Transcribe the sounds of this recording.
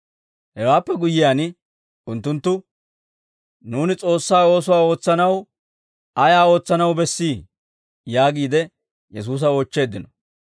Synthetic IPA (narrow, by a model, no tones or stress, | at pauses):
hɛwaːpːɛɡʊjːɪjaːn | ʊnt̪ːʊnt̪ːʊ | nuːnɪt͡sʼo̞ːsːaːo̞ːs̬ʊwaːo̞ːt͡sːɐnɐw | ʔɐjaːo̞ːt͡sːɐnɐwbɛsːiː | jaːɡiːd̪ɛ | jɛs̬uːs̬ɐoːt͡ʃːe̞ːd̪ːɪnɔ̥